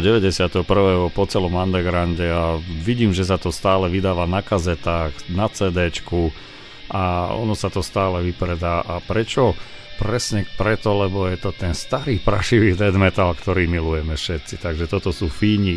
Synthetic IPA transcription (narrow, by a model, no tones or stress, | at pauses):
ɟɛʋɛɟɛsɪat̪ɛɦɔpr̩ʋɛːɦɔpɔt͡sɛlɔmand̪ɛɡɾanɟɛaʋiɟiːmʒɛs̬at̪ɔst̪aːlɛʋid̪aːʋanakazɛt̪aːxnat͡sɛːd̪ɛːt͡ʃku | ʔaɔ̰nɔsat̪ɔst̪aːlɛʋipɾɛd̪aːʔapɾɛt͡ʃɔ | pɾɛsɲɛpɾɛt̪ɔlɛbɔjɛt̪ɔt̪ɛnst̪aɾiːpɾaʃiʋiːd̪ɛd̪mɛt̪alkt̪ɔɾiːmilujɛmɛfʃɛt̪t͡sit̪aɡʒɛt̪ɔt̪ɔsuːfiːɲi